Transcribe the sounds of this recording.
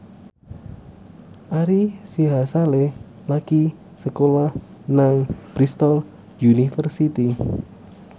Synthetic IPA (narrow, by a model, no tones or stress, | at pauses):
ʔaɾisiɦasale | laki | səkolah | naŋb̥ɾist̪ɔl | junifərsit̪i